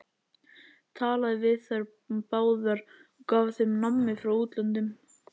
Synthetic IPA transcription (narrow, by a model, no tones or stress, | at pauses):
t̪ʰaːlaðɪvɪðθaɾ | paːwðaɾ̥kaːvθɪmnamːɪfɾawuːt̪lœnt̪ɪm